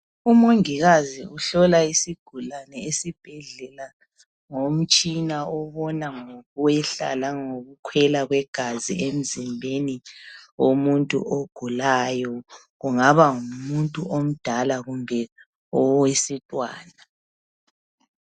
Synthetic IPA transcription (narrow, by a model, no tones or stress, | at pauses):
umoŋiɣaziuɬɔlaisiɡ̥ʱulanɛesib̥ʱɛɮɛla | ŋom̩t͡ʃʼinaɔβɔnaŋoɣuwɛɬa̰laŋoɣukʰwɛlaɣwɛɡ̥ʱazḭem̩zimbʱeniomuntʼṵʔoɡ̥ʱulajɔ | ɣuŋaβaŋumuntʼuʔom̩d̥ʱalaɣumbʱɛ | ɔwesitʼwa̰ːna